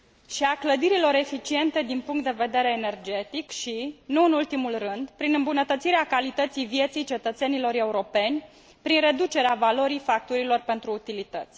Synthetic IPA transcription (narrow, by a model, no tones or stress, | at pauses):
ʃiakləd̪iɾilo̞ɾe̞fit͡ʃie̞nt̪e̞d̪inpuŋkt̪̚d̪eve̞d̪e̞ɾe̞ːne̞rd͡ʒe̞t̪ikʃinuɨnult̪imulrɨnd̪pɾinɨmbunət̪ət̪siɾeakalit̪ət̪sijvje̞t̪sijt͡ʃe̞t̪ət̪se̞nilo̞ɾe̞uɾo̞pe̞nʲ | pɾinre̞d̪ut͡ʃe̞ɾeavalo̞ɾijfak̚t̪uɾilo̞rpe̞nt̪ɾuːt̪ilit̪ət̪sʲ